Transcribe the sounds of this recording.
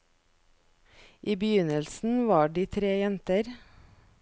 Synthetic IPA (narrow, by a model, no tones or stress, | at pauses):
ʔiːbəjʏnəlsn̩ʋɑːɖiːt̪ʰɾeːjɛnt̪əɾ